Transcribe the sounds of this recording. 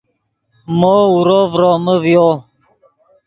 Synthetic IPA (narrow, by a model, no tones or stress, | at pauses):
mɔuɾovɾɔməvɔ